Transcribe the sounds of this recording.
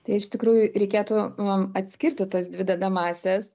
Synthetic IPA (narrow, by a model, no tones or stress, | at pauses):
t̪ɐɪɪʃt̪ʲɪkɾuːjʊɾʲɛɪkʲeːt̪ʊɐt̪ʲsʲkʲɪrʲt̪ʲɪt̪ɐsd̪ʲʋʲɪd̪ɐd̪ɐmɑːsʲɛs